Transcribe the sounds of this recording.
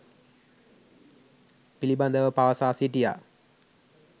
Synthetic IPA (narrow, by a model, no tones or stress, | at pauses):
piliband̪əʋəpaʋəsaːsiʈija̰